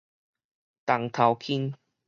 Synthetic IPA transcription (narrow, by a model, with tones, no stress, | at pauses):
t̪a˨˩ŋt̪ʰa˨˩wkʰi˦˥n